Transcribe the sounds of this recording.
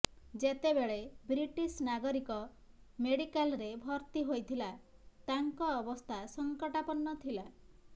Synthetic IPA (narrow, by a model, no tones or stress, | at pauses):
d͡ʒet̪ebeɭebɾiʈisnaɡɔɾikɔ | meɽikalɾebʱɔɾt̪iɦojt̪ʰilat̪aŋkɔːbɔst̪ʰasɔŋkɔʈapɔnːɔt̪ʰila